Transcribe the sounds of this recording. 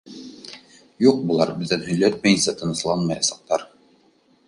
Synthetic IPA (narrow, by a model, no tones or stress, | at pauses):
juq̚bulˠɑɾbɘ̆ðːænhɵ̆jlæt̪̚mæjɘ̆nsæt̪ɤ̆nɤ̆slˠɑnmɑjɑsɑq̚t̪ɑɾ